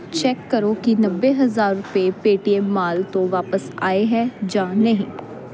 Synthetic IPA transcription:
t͡ʃɛːkːəɾoːkinəbːeːɦəzaːɾːʊpeːpeːʈiɛːmaːlt̪õːʋaːpəsaːeːɦɛːd͡ʒãːnəɦĩː

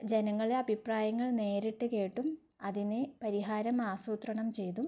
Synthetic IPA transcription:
d͡ʑe̞nɐŋːɐɭeɐbʱipraːjɐŋːɐɭne̞ːɾiʈːɨke̞ːʈːum | ɐðinepɐɾiɦaːɾɐmaːsuːt̪rɐɳɐmt͡ɕe̞jt̪um

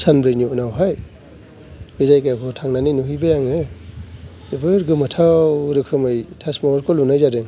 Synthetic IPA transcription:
sanbɾejninawɦaj | bɯjzajkakʰɔtʰaŋnaninuɦɯjbajaŋɯ | debɯɾɡɯmatʰawɾɯkʰɯmɯjtʰasmaɾkʰolunajzaɾeŋ

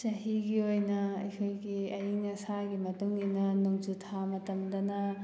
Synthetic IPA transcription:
sɐɦiɡiojnɐɐjkʰojɡiɐjiŋɐsaɡimɐtuŋinɐnuŋd͡ʒutʰamɐtɐmdɐnɐ

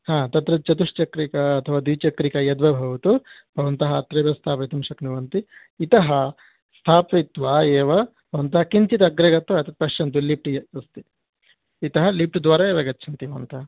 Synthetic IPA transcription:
hãːt̪ɐt̪ɾɐt͡ʃɐt̪uʂt͡ʃɐkɾikɐːt̪ʰɐʋaːd̪iʋt͡ʃɐkɾikɐjɐd̪ʋɐbʱɐʋut̪ub̥ʱɐʋɐnt̪ɐɦɐɐt̪ɾɐbɐst̪ʰaːpɐt̪umʃɐknuʋɐnt̪iː | t̪ɐɦɐ | st̪ʰaːpit̪ʋaeːʋɐ | bʱɐʋɐnt̪ɐɦɐkint͡ʃit̪ɐɡɾeɡɐt̪ʋɐɐt̪ɐt̪̚pɐʃjɐnt̪̬uliːp̚ʈujɐɐst̪iː | t̪ɐɦɐliːp̚ʈud̪ʋaːɾaeːʋɐɡɐtːt͡ʃʰɐnt̪iɐnt̪ɐɐ

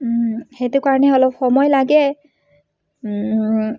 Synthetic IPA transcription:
xetukaɹɔnɛɔlɔpxɔmɔjlaɡɛ

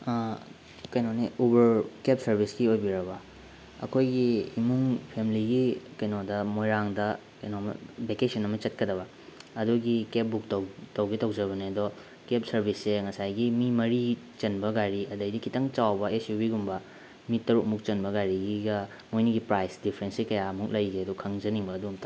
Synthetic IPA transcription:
kɐjnoneubɐɾkep̚sɐɾbʱiskiojbiɾɐbɐ | ɐ̰kʰojɡiːmuŋpʰemiliɡikɐjnodɐmojɾaŋdɐ | kɐjnomɐ̰bekesɐnɐmɐt͡ʃɐt̚kɐdɐβɐ | ɐduɡikep̚buk̚tɐwtɐwɡitɐwd͡ʒɐβɐneɐdɔ | kep̚sɐɾbʱisːeŋɐsajɡimimɐɾi | t͡ʃɐnbɐɡajɾiɐdɐjdikʰitɐŋt͡ʃawbɐesjubiɡumbɐ | mit̚tːɐɾuk̚muk̚t͡ʃɐnbɐɡajɾiɡiɡɐ | mojniɡipɾajsdipʰɾensikɐjamuk̚lɐjɡeɐdukʰɐŋd͡ʒɐniŋbɐːdumtɐ

